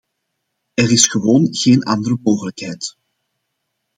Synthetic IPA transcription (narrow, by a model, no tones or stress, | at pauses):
ɛrɪsxəʋoːnɣeːnɑndərəmoːɣələkɦɛjt